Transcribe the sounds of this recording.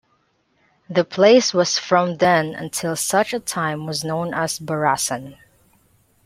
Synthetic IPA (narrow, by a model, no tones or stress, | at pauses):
ðɨpʰl̥eɪswʌz̥fɹʌ̃mðɛ̃nɨ̰̃ntʰɪlˠsʌt͡ʃɨtʰãɪ̃mwʌznõʊ̃nəzbə˞æsɨ̃n